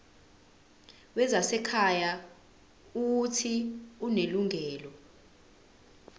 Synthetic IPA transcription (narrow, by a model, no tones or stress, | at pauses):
wɛzasɛkʰaja | utʰiuneluŋʱɛːlɔ